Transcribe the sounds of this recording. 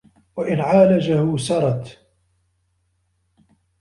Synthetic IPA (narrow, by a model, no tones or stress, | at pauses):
waʔɪnʕaːlad͡ʒahʊsɑɾˤɑt̪